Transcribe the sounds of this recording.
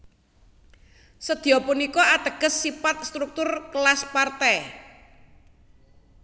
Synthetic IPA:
səd̪̥i̤ɔpunikɔad̪̥ə̤ɡ̥ə̤sːipat̪̚st̪ɾuk̚t̪ʊrklaspart̪ɛ

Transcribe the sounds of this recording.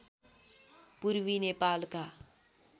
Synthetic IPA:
puɾʋinepaːlka

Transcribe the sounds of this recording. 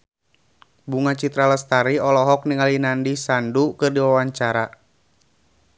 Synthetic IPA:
buŋat͡ʃit̪ɾaləst̪aɾiɔlɔɦɔk̚niŋalinandisandukɨrdiwawaɲt͡ʃaɾa

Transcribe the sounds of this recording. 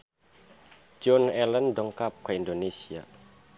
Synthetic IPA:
d͡ʒɔnɛlənɖɔŋkap̚kʰaind̪onesia̰

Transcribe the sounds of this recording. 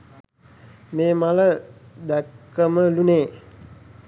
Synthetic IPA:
meːmaləd̪ækːəməluneː

